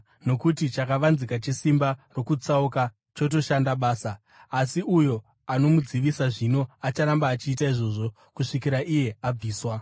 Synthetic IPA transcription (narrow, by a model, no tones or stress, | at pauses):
no̞kutit͡ʃakaʋanzikat͡ʃesimbaro̞kut͡sauka | t͡ʃo̞t̬o̞ʃandaɓaːsaː | siujo̞ | ano̞mud͡ziʋisaʐino̞at͡ʃaɾambaːt͡ʃiːtaiʐo̞ʐo̞ | kuʂikiɾaʔije̞ab͡viːswa